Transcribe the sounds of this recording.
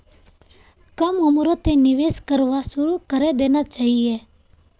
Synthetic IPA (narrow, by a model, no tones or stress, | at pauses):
kəməmɾot̪enɪʋeːskəɾʋasʊɾukəɾed̪eːnat͡ʃaːɦieː